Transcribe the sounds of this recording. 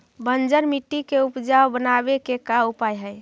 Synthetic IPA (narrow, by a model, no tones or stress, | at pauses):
bənd͡ʒəɾmiʈːikeupd͡ʒawbənabekekaupajɦəj